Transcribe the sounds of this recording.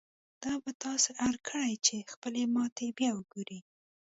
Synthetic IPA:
d̪̥ɑbat̪ɑseʔaɾkʰəɽajt͡ʃexpəlemɑt̪ebjɑwəɡoɾi

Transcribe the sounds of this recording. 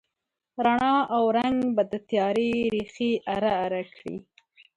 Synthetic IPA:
ɾaɳɑawɾaŋɡbad̪ət̪jɑɾeɾixiʔaɾaːɾakɽḭ

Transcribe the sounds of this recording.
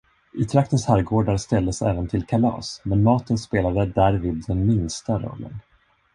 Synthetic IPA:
ʔɪt̪ʰɾak̚t̪ənshæɾɡoːɖaɾst̪ɛld̪əsɛ̰ːvənt̪ʰɪlkʰalɑ̰ːsmɛnmɑːt̪ənspeːlad̪əd̪æɾviːd̪ːɛnmɪnst̪aɾɔ̰lːə̰n

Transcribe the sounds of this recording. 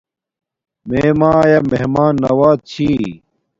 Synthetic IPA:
meːmãːjɐmeɦmaːnːɐwaːt̪̚t͡ɕʰiː

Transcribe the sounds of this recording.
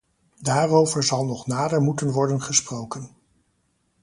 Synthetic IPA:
daːrowvəɹzɑlˠnɔχnaːdəɹmutənʋɔɹdənχəsprowkən

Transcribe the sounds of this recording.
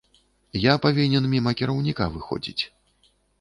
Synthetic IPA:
japavʲinʲɛnmʲimɐkʲiɾɐwnʲikavɨxɔ̰d͡zʲḭt͡sʲ

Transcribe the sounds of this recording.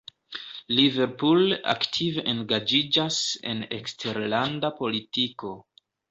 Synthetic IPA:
live̞ɾpula̰ktʰiveʔeŋɡad͡ʒid͡ʒase̞̰ne̞̰kstʰe̞ɾlandapo̞litiko̞

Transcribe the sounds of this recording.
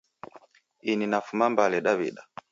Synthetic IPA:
ininafumambalɛɗaβḭɗa

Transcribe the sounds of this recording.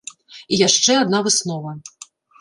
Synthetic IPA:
ijaʂt͡ʂɛad̪navɨsnɔvɐ

